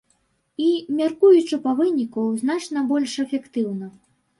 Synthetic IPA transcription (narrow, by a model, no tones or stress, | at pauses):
imʲarkujut͡ʂɨpɐvɨnʲikuzn̪at͡ʂnɐbɔlʲʂɛfʲɛkt̪ɨwnɐ